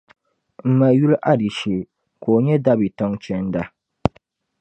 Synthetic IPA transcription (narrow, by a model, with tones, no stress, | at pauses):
m̩˨ma˨ju˦lʔa˦di˨ʃe˨ | ko˨o˨ɲɛ˦da˦bi˨tɔ˦ŋt͡ʃɛ˦n˦da˦